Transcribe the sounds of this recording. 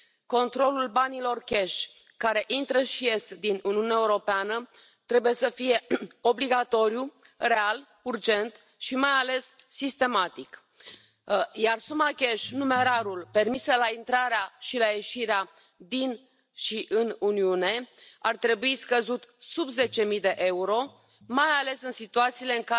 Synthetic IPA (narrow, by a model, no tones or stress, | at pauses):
ko̞nt̪ɾo̞lulbanilo̞rkʲe̞ʃ | kaɾe̞ʔint̪ɾəʃije̞sd̪inuniuneaeuɾo̞peanə | t̪ɾe̞buje̞səfije̞o̞bliɡat̪o̞ɾju | re̞al | urd͡ʒe̞nt̪ | ʃimajale̞sːist̪e̞mat̪ik | jarsumakʲeʃnume̞ɾaɾulpe̞rmiselaint̪ɾaɾeaʃilaje̞ʃiɾea | d̪in | ʃiʔɨnuniune̞art̪ɾe̞buiskəzut̪subze̞t͡ʃe̞mijd̪e̞ʔe̞uɾo̞ | majale̞sɨnsit̪uat̪siːle̞ɨŋka